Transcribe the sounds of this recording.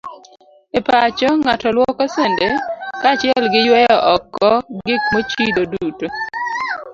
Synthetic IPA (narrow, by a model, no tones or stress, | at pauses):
epat͡ʃɔŋatɔlwɔkɔsɛndekat͡ʃɪɛlɡɪjwɛjɔʔɔkːɔɡɪk̚mot͡ʃidoduto